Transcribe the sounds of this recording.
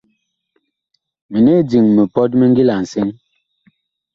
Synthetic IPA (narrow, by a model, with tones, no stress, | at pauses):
mi˨ne˦d͡zi˨ŋme˨pɔ˦t̚mi˦ŋ̩˦ɡi˦la˨n̩˨se˦ŋ